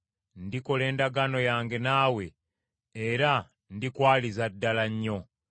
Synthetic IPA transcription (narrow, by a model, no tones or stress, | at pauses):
ndiko̞le̞ːndaɡano̞jaːŋɡe̞naːwe̞ | eɾa | ndikwaːlizadːalaɲːo̞